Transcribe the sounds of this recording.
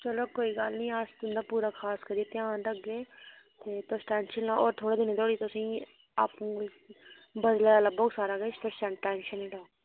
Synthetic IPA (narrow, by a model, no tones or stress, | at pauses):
t͡ʃəloːkoːiːɡəlnĩːaːst̪ʊnd̪aːpuːɾaːkʰaːskəɾiet̪ɪjaːnɾəɡeː | t̪eːt̪ʊsʈɛ̃ːnʃənːãːʔoːɾt̪ʰoːɽeːd̪ɪneːt̪oːɽiːt̪ʊsĩː | a̰ːpũːɪ | bəd̪laːləbɔːɡsaːɾaːɡet͡ʃt̪ʊsə̃ɳʈaːɪnʃənĩːɖaː